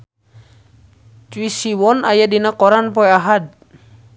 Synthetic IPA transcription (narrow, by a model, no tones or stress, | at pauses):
t͡ʃuisiwɔnajadinakɔɾanpɔɛaɦad̚